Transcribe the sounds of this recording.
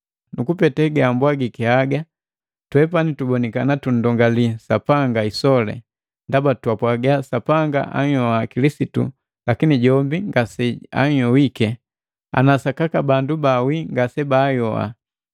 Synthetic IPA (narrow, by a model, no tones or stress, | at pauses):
nukupɛtɛɡːmbwaɡikɛaɡa | twɛpanitubɔnikanatun̩dɔŋɡalisapaŋɡaisɔlɛ̰ | ndabatwapwaɡasapaŋɡa̰ʔa̰ɲjɔakilisitṵ | lakiniɟɔmbiŋɡasɛa̰ɲjɔwikɛ | a̰nasakakabandubawiŋɡasɛbajɔa̰